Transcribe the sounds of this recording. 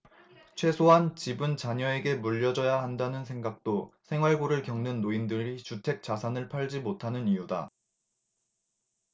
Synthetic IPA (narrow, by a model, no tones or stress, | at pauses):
t͡ɕʰwe̞sʰoɦant͡ɕibɯnt͡ɕaɲʌe̞ɡe̞muʎːʌd͡ʑʌjaɦandanɯnsʰe̞ŋɡak̚t͈osʰe̞ŋɦwaɭɡoɾɯɭkjʌŋnɯnːoindɯɾit͡ɕutʰe̞k̚t͡ɕ͈asʰanɯɭpʰaɭd͡ʑimotʰanɯnijuda̰